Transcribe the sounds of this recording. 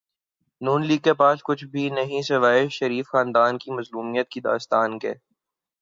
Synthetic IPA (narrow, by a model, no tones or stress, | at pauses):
nuːnliːɡ̚kepaːskʊt͡ʃʰbʱinɐɦĩsɪʋaːɪʃʃɐɾiːfxãːnd̪aːnkimɐzluːmijət̪̚kid̪a̰ːst̪aːnkḛː